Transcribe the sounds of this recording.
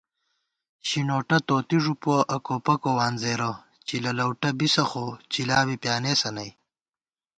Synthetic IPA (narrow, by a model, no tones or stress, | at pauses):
ɕinoːʈɐt̪oːt̪iʐupoʔɐkoːpɐkowaːnzeːɾɐ | t͡ʃilɐlɐwʈɐbisɐxot͡ɕilaːwipjaːneːsɐnɐj